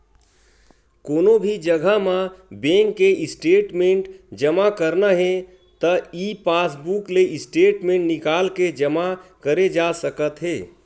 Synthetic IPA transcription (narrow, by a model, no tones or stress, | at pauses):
konobʱid͡ʒəɡʱəɦmabẽŋkːeʔisʈeʈmeʈd͡ʒəmakəɾnəɦẽ | t̪əipasbukleʔisʈeʈmẽɳʈnikalked͡ʒəmakəɾed͡ʒasəkət̪ɦe